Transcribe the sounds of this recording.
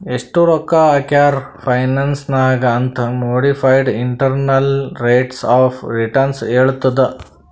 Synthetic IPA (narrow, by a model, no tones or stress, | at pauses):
eʂʈuɾɔkːaɐkjaːɾpʰɐjnɐnsnaːɡɐːnt̪ʰɐmoːɽipʰɐjɖiɳʈɐɾnɐlɾeːʈsaːfʰɾiʈɐɾnseːɭut̪ːɐd̪e